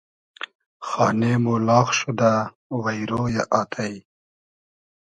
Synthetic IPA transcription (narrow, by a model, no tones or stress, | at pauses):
xɑːnemulɑːxʃud̪a | wajɾojaʔɑːt̪ʰaj